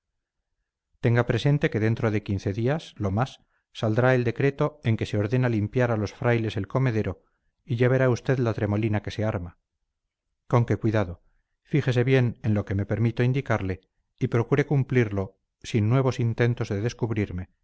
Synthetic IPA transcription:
t̪e̞ŋɡapɾe̞se̞nt̪e̞ke̞ðe̞nt̪ɾo̞ð̞e̞kin̟θe̞ðiaslo̞masː | ald̪ɾae̞ld̪e̞kɾe̞t̪o̞e̞ŋke̞se̞o̞ɾðe̞nalimpjaɾalo̞sfɾajle̞se̞lko̞me̞ðe̞ɾo̞ | iʝaβe̞ɾaust̪e̞ðlat̪ɾe̞mo̞linake̞se̞aɾma | ko̞ŋke̞kwiðaðo̞ | fixe̞s̬e̞βje̞ne̞nlo̞ke̞me̞pe̞ɾmit̪oind̪ikaɾle̞ | ipɾo̞kuɾe̞kumpliɾlo̞ | sinːwe̞β̞o̞sint̪e̞nt̪o̞zðe̞ðe̞skuβɾiɾme̞

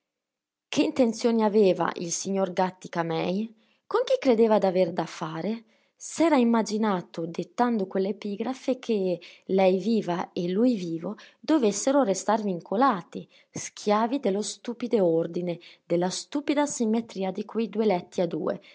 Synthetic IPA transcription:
kʰeint̪ent̪sjoːniaveːva̰ʔḭlsiɲːoɾɡat̪ːi̥kamɛ̰j | koŋk̟ikɾed̪eːvad̪aveɾd̪afaːɾe | sɛːɾaimːad͡ʒinaːt̪od̪et̪ːand̪okwelːepiɡɾafekʰelɛjviːvaelujviːvod̪ovesːeɾorest̪arviŋkʰolaːt̪i | skʰjaːvid̪elost̪uːpid̪eoɾd̪ined̪elast̪uːpid̪asimːet̪ɾiːad̪ikwijd̪uelɛt̪ːiad̪ṵːḛ

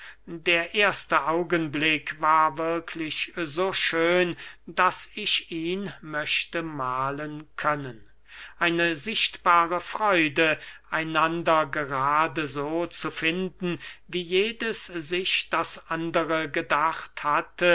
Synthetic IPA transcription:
deːɐʔeːɐstəʔaʊɡənblɪkvaːɐvɪɐkʰlɪçzoːʃøːnd̥asɪçiːnmœʃtəmaːlənkʰœnən | ʔaɪnəzɪʃtb̥aːʁəfʁ̥ɔʏdəʔaɪnandɐɡəʁaːdəzoːt͡sufɪndn̩viːjeːdəszɪçd̥asʔandəʁəɡədaχthatə

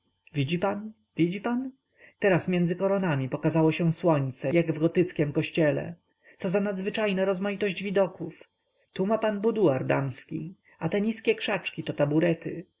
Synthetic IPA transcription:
vʲid͡ʑipan | vʲid͡ʑipan | t̪ɛɾasmʲjɛndzɘkɔɾɔnamʲipɔkazawɔɕɛ̃swɔɲt̪sɛjaɡvɡɔt̪ɘt̪skʲɛmkɔɕt͡ɕɛlɛ̰ | t̪sɔzanad̪zvɘt͡ʂajnɛɾɔzmajit̪ɔʑd͡ʑvʲid̪ɔkuf | t̪umapanbud̪uaɾd̪a̰mskʲḭ | at̪ɛɲiskʲɛkʂat͡ʂkʲit̪ɔt̪abuɾɛt̪ɘ̰

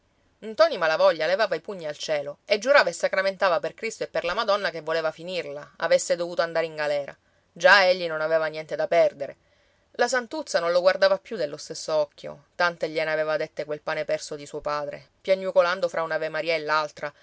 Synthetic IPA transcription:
nt̪ɔnimalavɔʎːalevaːvaipuɲːialt͡ʃɛːloed͡ʒːuɾaːvaesːakɾament̪aːvaperkɾist̪oepːerlamad̪ɔnːakevːoleːvafinirla̰ːvesːed̪ovuːt̪oand̪aːɾeiŋɡalɛːɾa̰ | d͡ʒaeʎːinonaveːvanjɛnt̪ed̪apɛrd̪eɾe | lasant̪ut̪sːanõnloɡward̪avapjud̪elːost̪esːoɔkːjo̰t̪ant̪eʎːɛnaveːvad̪et̪ːekwelpaːnepɛrsod̪isuːopaːd̪ɾḛ | pjaɲːukoland̪ofɾʔaunavemaɾiːaelːalt̪ɾa

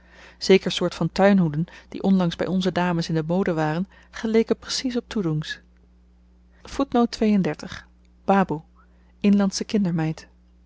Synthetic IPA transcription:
z̥ejkəɹsʊːɹtfɑntœɥnɦudənd̥ḭʔɔnlɑŋzbɛ̰jɔnzədaːməsɪndəmowdəʋaːrən | χəlejkəprəsisɔp̚tuduŋs | futnowtʋejəndɛɹtəχ | b̥aːbu | ɪnlɑntsəkɪndəɹmɛjt

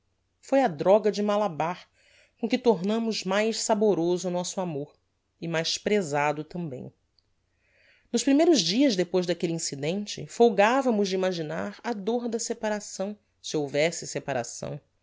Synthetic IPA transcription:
fojɐd̪ɾɔɡɐd͡ʒɪmalabaɾ | kõkɪt̪oɾnɐ̃mʊzmajʃsaboɾozʊːnɔsʊamoɾ | ɪmajspɾezad̪ʊt̪ɐ̃mbḛ̃j̃ | nʊʃpɾimejɾʊzd͡ʒiɐzd̪epojzd̪akeliĩsid̪ẽnt͡ʃɪ̰fowɡavɐmʊzd͡ʒimaʒina̰ɾɐd̪oɾd̪ɐsepaɾasɐ̃w̃ | sɪowvɛsɪsepaɾa̰sɐ̰̃w̃

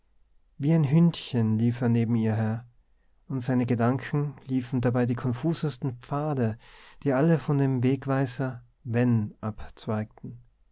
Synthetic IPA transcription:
viːaɪnɦʏntçənliːfeːɐneːbm̩iːɐɦɛːɐ | ʊntz̥aɪnəɡədaŋkʰn̩liːfn̩dabaɪdiːkʰɔnfuːzəstn̩p͡faːdəd̥iːʔaləfɔndeːmveːkv̥aɪzɐ | vɛnʔapt͡sv̥aɪk̚tn̩

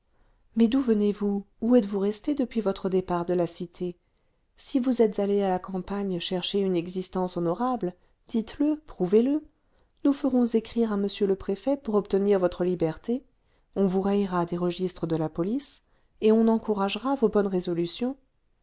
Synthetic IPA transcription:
mɛd̪uvənevu | uɛt̪vuʁɛst̪ed̪əpɥivɔt̪χəd̪epaʁd̪əlasit̪ʰe | sivuzɛt̪zalealakɑ̃paɲʃɛʁʃeynɛɡzist̪ɑ̃sɔnɔʁabl | d̪̥it̪ləpχuvelə | nufəʁɔ̃zekχiʁaməsjøləpχefɛpuʁɔpt̪əniʁvɔt̪χəlibɛʁt̪e | ɔ̃vuʁɛjʁad̪eʁəʒist̪χəd̪əlapɔlis | eɔ̃nɑ̃kuʁaʒʁavobɔnʁezɔlysjɔ̃

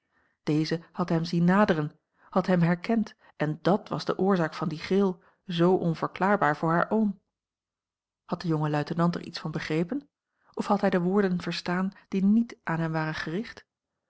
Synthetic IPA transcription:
d̥ejzəhɑtɦɛmzinːaːdəʁən | hɑtɦɛmɦɛɹkɛnt | ʔɛndɑtʋɑ̰zdəʔʊːɹzaːkfɑndiχɪlˠ | zowʔɔnvəɹklaːɹbaːɹvʊːɹɦaːɹʔoːm | hɑt̚d̥əjʊŋəlœɥtənɑntə̰ɹʔḭtsfɑnbəχrejpən | ʔɔfhɑtɦɛjdəʋʊːɹdənv̥əɹstaːnd̥initʔaːnɦɛmʋaːʁənχərɪχt

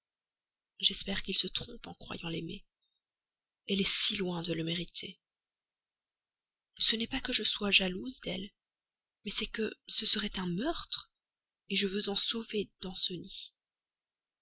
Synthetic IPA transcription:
ʒɛspɛʁkʲilsət̪χɔ̃pɑ̃kχwa̰jɑ̃lemḛ | ɛlɛsilwɛ̃d̪ələmeʁit̪ʰe | sənɛpakəʒəswaʒaluzd̪ɛ̰l | mɛsɛkəsəsəʁɛt̪ɛ̃mœʁt̪χ | eʒəvøzɑ̃soved̪̥ɑ̃səni

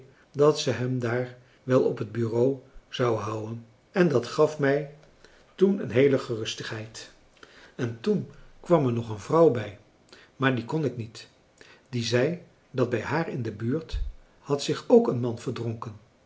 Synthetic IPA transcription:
dɑtsəɦɛmdaːɹ | ʋɛlˠɔpɦəd̚byrowz̥ɑwɦʌwən | ɛndɑtχɑfmɛj | tunə̰nɦejləχərɵstəχɦɛjt | ɛntunkʋɑmɛɹnɔχənvrɑwbɛj | maːɹdikɔnɪknit | d̥izɛj | dɑd̚bɛjɦaːɹɪndəbyːɹt | hɑtsɪχowkənmɑnv̥əɹdrɔŋkən

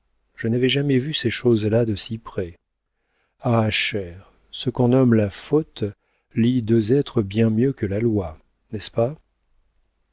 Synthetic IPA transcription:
ʒ̥ənavɛʒamɛvyseʃozlad̪əsipχɛ | aʃɛːʁ | səkɔ̃nɔmlafot̪ | lid̪øzɛt̪χəbjɛ̃mjøkəlalwa | nɛspa

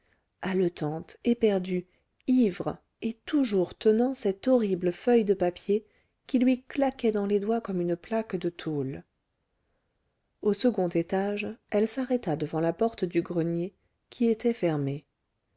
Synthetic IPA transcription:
alət̪ɑ̃t̪epɛʁd̪y | ivʁə | et̪uʒuʁt̪ənɑ̃sɛt̪ɔʁibləfœjd̪əpapje | kʲilɥiklakʲɛd̪ɑ̃led̪wakɔmynəplakd̪ət̪ʰol | osəɡɔ̃t̪et̪aʒɛlsaʁɛt̪ad̪əvɑ̃lapɔʁt̪d̪yɡʁənje | kʲʰiet̪ɛfɛʁme

